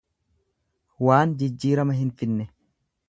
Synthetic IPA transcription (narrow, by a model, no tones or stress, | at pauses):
waːnd͡ʒɪd͡ʒːiːɾɐmɐɦɪnfɪnːɛ